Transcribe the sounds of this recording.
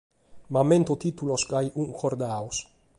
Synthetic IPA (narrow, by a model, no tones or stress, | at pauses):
mament̪ot̪it̪ulosɡajʔuŋkoɾd̪aws